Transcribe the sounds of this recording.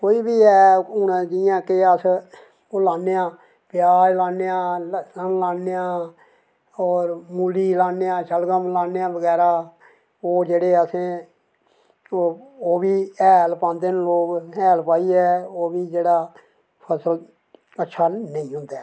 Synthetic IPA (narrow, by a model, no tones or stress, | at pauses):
koːiːbiːɛːʊnãd͡ʒɪjãːkeəs | oːlaːnejãː | pjaːɾlaːnːejãːənlaːnːejãː | ɔːɾmuːliːlaːnejãːʃəlɡãːmlaːnejãːbəɡɛːɾaː | oːd͡ʒeːɽeːəsẽː | oːbiːɛːlpãːnd̪eːnloːkɛːlpaːiːɛːoːbiːd͡ʒeːɽaː | pʰəsəl | ətːʃʰaːnəĩːɦʊ̃nd̪ɛː